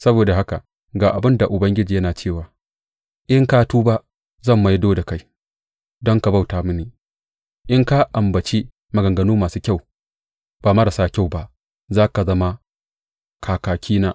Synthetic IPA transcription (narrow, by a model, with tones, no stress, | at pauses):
sɐ˦boː˨da˨ha˦ka˨ | ɡaː˨ʔa˨bɪ˦nda˨ʔʊ˨bɐ˦ŋɡʲɪ˦d͡ʒiː˨jɐ˦naː˨t͡ʃeː˦˨waː˨ | ʔɪ˦ŋkaː˦tuː˦ba˦ʔ | zɐ˦˨mːa˨jdoː˦da˨ka˦j | dɔ˦ŋka˨ba˦˨wtaː˨mʊ˦niː˨ | ʔɪ˦ŋka˦ʔa˨mbɐ˨t͡ʃi˦ | ma˨ɡɐ˨ŋɡɐ˦nuː˦maː˨suː˦kʲa˦˨w | b̥aː˨mɐ˦ɾa˨saː˦kʲa˦˨wba˦ | zaː˦ka˨zɐ˦ma˦ | kʰaː˨kaː˨kʲiː˦naː˦